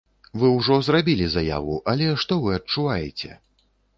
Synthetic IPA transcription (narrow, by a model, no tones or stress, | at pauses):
vɨwʐɔzrabʲilʲizaja̰vuʔɐlʲɛʂt̪ɔvɨɐt͡ʂuvajɛt͡sʲɛ̰